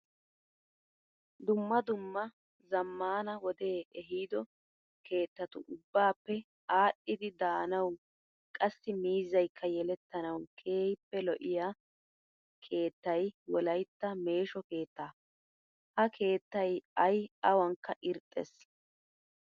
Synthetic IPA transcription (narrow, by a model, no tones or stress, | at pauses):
d̪ʊmːɐd̪ʊmːɐ | zɐmːaːnɐwɔd̪eːɛɦiːd̪ɔ | kʰe̞ːt̪ːɐt̪ʊʊbːaːpːɛ | aːɗːɪd̪ɪd̪aːnɐw | kʼɐsːɪmiːzɐjkʰːɐjɛlɛt̪ːɐnɐwkʰeːjpːɛlɔʔɪja | kʰe̞ːt̪ːɐjwɔlɐjt̪ːɐme̞ːʃɔke̞ːt̪ːaː | hɐkʰe̞ːt̪ːɐjɐjɐwɐŋkːɐʔɪɾt̪ʼːɛs